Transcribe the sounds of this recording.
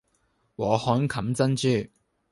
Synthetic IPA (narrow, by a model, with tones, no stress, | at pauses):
wɔː˨˧hɔː˨˥nkʰɐ˨˥mt͡sɐ˥nt͡ʃyː˨˩